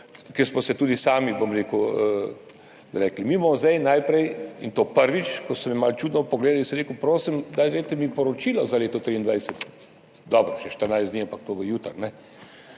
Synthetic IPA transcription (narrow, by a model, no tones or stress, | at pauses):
kɛɾsmɔsɛt̪uːd̪isaːmibomɾeːkuə | ɾɛːklimimamɔzɛjnajpɾɛjint̪oːpəɾʋit͡ʃkɔsɔmɛmalt͡ʃuːd̪nɔpɔɡleːd̪alisɔmɾeːkupɾoːsimd̪ajɾejt̪ɛmipɔɾɔt͡ʃilɔzaleːt̪ɔt̪ɾiːnd̪ʋajsɛt̪ | d̪ɔbɾɔʃɛʃt̪əɾnajsd̪niampak̚t̪oːʋəjuːt̪əɾnɛ